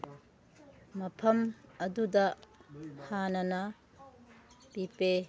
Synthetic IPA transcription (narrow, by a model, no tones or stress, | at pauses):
mɐpʰɐmɐdudɐ | hanɐnɐ | pipe